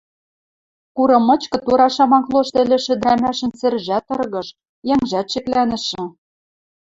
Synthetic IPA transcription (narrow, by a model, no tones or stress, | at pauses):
kuɾɤ̆mɤ̆t͡ɕkɤ̆t̪uɾɑʃɑmɑŋklˠoʃt̪ĕlʲɘ̆ʃɘ̆d̪ɾæmæʃɘ̆nsɘ̆rʒæt̪ɤ̆rɣɤ̆ʃ | jæŋʒæt̪ʃɘ̆klænɘ̆ʃɘ̆